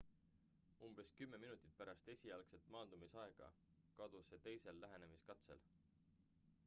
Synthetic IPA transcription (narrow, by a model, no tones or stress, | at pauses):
umb̥e̞skymːe̞minut̪ːˑi̥t̪̚pæɾɑst̪e̞sʲiɑlkse̞lt̪mɑːnd̪̥umisɑe̞ɡ̥ɑ̰ | kɑd̪̥use̞t̪e̞jse̞lːæɦe̞ne̞miskɑt̪se̞̰l